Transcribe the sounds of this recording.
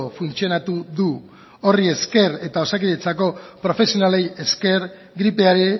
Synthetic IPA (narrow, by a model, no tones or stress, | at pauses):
ofunt͡sio̞nat̪uðu | o̞rie̞ske̞ɾe̞t̪ao̞sakiʎe̞t͡sako̞pɾo̞fe̞sio̞nale̞je̞ske̞ɾ | ɡɾipe̞aɾe